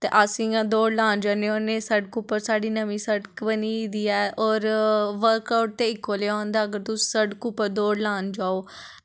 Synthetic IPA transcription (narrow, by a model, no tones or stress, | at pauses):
t̪eːʔəsĩːãːd̪oːɖlaːnd͡ʒaːneoːneːsəɖkʊpːəɾsaːɖiːnəmĩːsəɖkbəniːd̪iːɛːʔɔːɾʋəɾkaːʊʈ̚t̪eːɪkːoːleːaːnd̪aːəɡəɾt̪ʊsi̥ːsəɖkʊpːəɾd̪oːɽlaːnd͡ʒaːoː